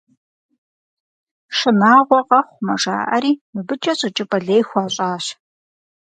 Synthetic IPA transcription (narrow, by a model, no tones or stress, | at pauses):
ʂɨnaːʁʷɔqɐχʷmɐʐa̰ːʔɐɾiːmɨbɨt͡ʃʼɐɕʼɐt͡ʃʼɪpʼɐɮejxʷɑːɕʼaːɕ